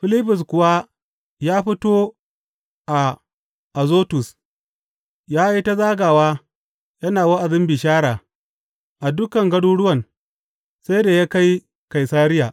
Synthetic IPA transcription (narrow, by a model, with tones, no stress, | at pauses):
ɸɪ˦lɪ˦ɸʊ˨s̬kʷʊ˨wa˦ | jaː˦ɸɪ˦toː˦ | ʔa˨ | ʔa˨zoː˦tʊ˨s | jaː˦i˦ta˦zaː˦ɡaː˨waː˦ | jɐ˦naː˨wa˦ʔa˨dɪ˦mbɪ˨ʃaː˦ɽaː˨ | ʔa˨dʊ˦kɐ˨ŋɡɐ˦ɽuː˦ɽʊ˦wɐ˨n | sa˦jda˨ja˦ka˦j | ka˨jsaː˦ɾɪ˦jaː˨